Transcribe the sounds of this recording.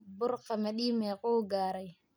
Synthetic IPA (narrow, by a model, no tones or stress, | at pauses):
bʊɾqamɛɗiːmɛqoːɡaːɾɛj